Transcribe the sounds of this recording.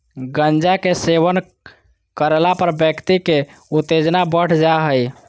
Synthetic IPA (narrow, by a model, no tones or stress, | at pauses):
ɡənd͡ʒakeseʋən | kəɾelapəɾbjəkt̪ikeut̪ed͡ʒnabəɽ̤d͡ʒaɦəj